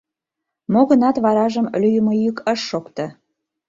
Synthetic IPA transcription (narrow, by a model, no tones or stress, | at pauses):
moɣə̆nɑt̪βɑɾɑʒəmlʲyjəmojykəʃːokt̪ɤ̆